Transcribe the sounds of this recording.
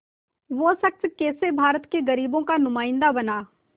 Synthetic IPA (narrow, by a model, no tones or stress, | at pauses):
ʋosɐk̚t̪keːsebʱaːɾət̪keɡɐɾiːbõkanʊmaːɪ̃nd̪abɐnaː